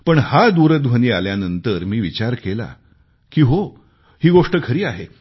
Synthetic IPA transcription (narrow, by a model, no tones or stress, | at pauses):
pəɳhad̪uɾəd̪ʋ̤ʱəniːaljanənt̪əɾmiːʋit͡ɕaɾkela̰ | kiːɦo | hiːɡoʂʈəkʰəɾiːaɦe